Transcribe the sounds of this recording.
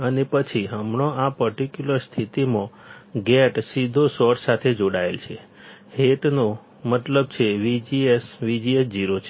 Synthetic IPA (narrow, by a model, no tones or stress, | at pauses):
ənepət͡ʃʰiɦəmɳoapəɾʈikjuləɾst̪ʰit̪imõ | ɡɛʈsid̪ʱosɔʈsat̪ʰed͡ʒoɽaelt͡ʃʰe | ɦeʈno | mət̪ləb̚t͡ʃʰeʋid͡ʒiesʋid͡ʒiesd͡ʒiɾot͡ʃʰe